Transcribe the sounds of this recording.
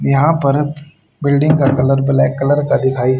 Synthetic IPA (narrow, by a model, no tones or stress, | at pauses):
jɐɦãpɐɾ | bɪlɖɪ̃ŋɡkakɐləɾbɪlakːɐləɾkad̪ɪkʰaːi